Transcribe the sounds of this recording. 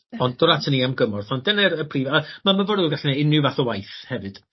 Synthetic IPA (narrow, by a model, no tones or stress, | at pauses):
ɔndɔɾatʰəniːamɡəmɔrθɔndɛnɛɾəpʰriːvamamavɔɾɨɡaɬnɛɪnɨvaθɔwajθhɛvɨd̥